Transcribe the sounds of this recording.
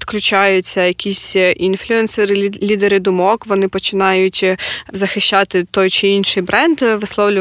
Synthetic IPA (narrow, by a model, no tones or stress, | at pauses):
t̪klʲʊt͡ʃɑjʊt͡sʲːɐjɐkʲisʲʔinflʲʊɛnsɛɾɪlʲid̪eɾɪd̪ʊmɔkʋɔnɪpɔt͡ʃɪnɑjʊtʲzɐxɪʃʲt͡ʃɑt̪ɪt̪ɔjt͡ʃɪinʃɪjbɾɛnd̪ʋɪslˠɔwlʲʊ